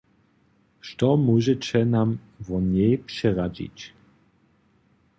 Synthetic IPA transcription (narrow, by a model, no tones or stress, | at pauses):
ʃtɔmuʒɛt͡ɕɛnam | vɔɲɛjpʂɛʁad͡ʑḭt͡ɕ